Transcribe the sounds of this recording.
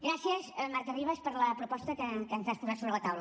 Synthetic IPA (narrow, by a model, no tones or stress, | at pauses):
ɡɾasiəzmaɾkəriβəspəɾləpɾupɔst̪əkəkənzaspuzatsoβɾələt̪awlə